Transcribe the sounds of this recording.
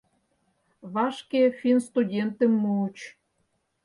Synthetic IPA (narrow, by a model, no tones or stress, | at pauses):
βɑʃkefʲinst̪udʲent̪ə̆mːuut͡ɕ